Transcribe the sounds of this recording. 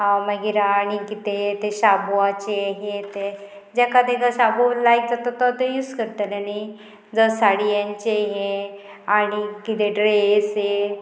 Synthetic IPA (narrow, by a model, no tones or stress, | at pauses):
ɦãməɡiɾaːɽ̃ikit̪et̪eɕabuat͡ɕeɦet̪e | d͡ʑakad̪eɡəɕabolajk̚d͡zat̪ət̪ət̪ejuːskəɾt̪əlenaj | d͡zəsaɽijãɲt͡ɕeɦeaɽ̃ikit̪eɖɾese